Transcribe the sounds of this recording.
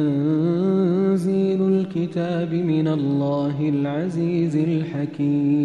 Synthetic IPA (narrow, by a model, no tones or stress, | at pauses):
an | ziːlʊlkɪt̪aːbɪmɪnalːaːɦɪlʕaziːzɪlħakkiːm